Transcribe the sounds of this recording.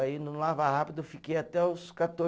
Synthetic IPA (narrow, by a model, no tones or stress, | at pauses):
aĩnʊlavahapid̪ʊfikejat̪ɛʊskat̪o